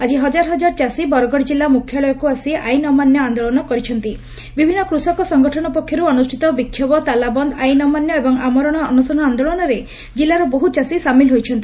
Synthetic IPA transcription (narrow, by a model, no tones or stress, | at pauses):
ad͡ʒiɦɔd͡ʒaɾɔɦɔd͡ʒaɾt͡ʃasibɔɾɔɡɔɽd͡ʒilːamukʰjɔɭɔjɔkuasiʔajnɔmanjɔand̪ɔɭɔnɔkɔɾit͡ʃʰɔnt̪i | bibʱinːɔkɾusɔkɔsɔŋɡɔʈʰɔnɔpɔkʰːjɔɾuɔnusʈʰit̪ɔbikʰːjɔbɔt̪alabɔnd̪ajnɔmanjɔebɔŋamɔɾɔɽ̃ɔɔnusɔnɔand̪ɔɭɔnɔɾe | d͡ʒilːaɾɔbɔɦut͡ʃasisamilɦojt͡ʃʰɔnt̪i